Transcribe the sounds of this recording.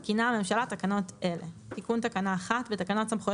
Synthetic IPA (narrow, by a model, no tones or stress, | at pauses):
kiname̞mʃalatakano̞tʔelet̪ikunt̪akanaːχat̪vetakano̞tsamχo